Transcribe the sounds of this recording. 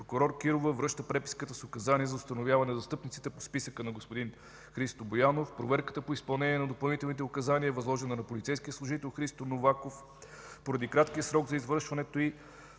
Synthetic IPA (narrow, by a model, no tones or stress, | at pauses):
pɾokʊɾɔɾkiɾovəvɾɤʃt̪əpɾɛpi̥skət̪əsiʊkɐzaniəzɐʊst̪ɐnovʲjavɐnɛzɐst̪ɤpnit̪si̥t̪ɛpo̥spisəkənɐɡospod̪in | xɾist̪obojanofpɾovɛɾkə̥t̪əpoispɐlˠnɛniɛnɐd̪opɐlˠnit̪ɛlˠnit̪̬ɛʊkɐzaniəvɐzlˠɔʒɛnɐnɐpolʲit̪sɛjskijəslˠʊʒit̪ɛlˠxɾist̪onovakof | poɾɐd̪ikɾat̪k̟ijəsɾɔɡzɐizvɤɾʃvɐnɛt̪oi